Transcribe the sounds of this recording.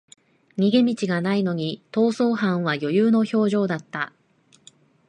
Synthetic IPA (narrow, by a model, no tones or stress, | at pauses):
ɲ̟iɡe̞mʲit͡ɕiɡanaino̞ɲ̟it̪o̞ːso̞ːɦãɰ̃β̞ajo̞jɯːno̞ço̞ːʑo̞ːd̪at̪ːa